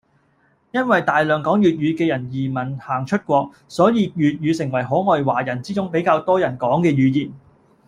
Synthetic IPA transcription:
jɐ˥nwɐ˨jt̪aː˨jlœː˨ŋkɔː˨˥ŋjyː˨t̚ɥyː˨˧kɛː˧jɐ˨˩njiː˨˩mɐ˨˩nhaː˨˩ŋt͡ʃʰɵ˥t̚kʷɔː˧k̚ | sɔː˨˥jiː˧jyː˨t̚jyː˨˧sɪ˨˩ŋwɐ˨˩jɦɔː˨˥ŋɔː˧jwaː˨˩jɐ˨˩nt͡siː˥t͡sʊ˥ŋpe˨˥jkaː˧wt̪ɔː˥jɐ˨˩nkɔː˨˥ŋkɛː˧ɥyː˨˧jiː˨˩n

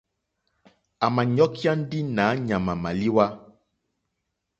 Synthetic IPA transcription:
a˨mã˨ɲɔ̃˦ki˦a˦n̩˦ɖi˦nã˨˦ɲã˨mã˨mã˨li˦wa˦

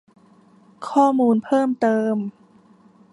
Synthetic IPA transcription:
kʰɔː˥˩muː˧npʰɤː˥˩mt̪ɤː˧m

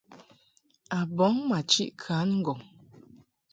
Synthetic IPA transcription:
a˨bɔ˨˦ŋma˨t͡ʃḭ˦ʔkʰa˨˦nŋ̩˦ɡɔ˨ŋ

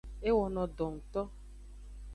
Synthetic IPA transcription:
e˦wɔ˨nɔ̃˨dɔ˨ŋ̩˨t̪ɔ˦

